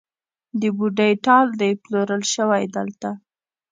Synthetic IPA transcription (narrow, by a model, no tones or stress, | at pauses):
d̪əbuɖajʈɑld̪ajploɾəlʃəwajd̪əlt̪a